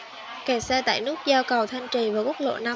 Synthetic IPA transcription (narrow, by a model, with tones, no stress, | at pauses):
ke˨˩sɛ˧t̪a̰ː˧˨jnɨ˦˥ək̚zaː˧wkə˨˩wt̪ʰa˧jŋ̟t͡ɕi˨˩vaː˨˩kk̚lo̰˧˨na˧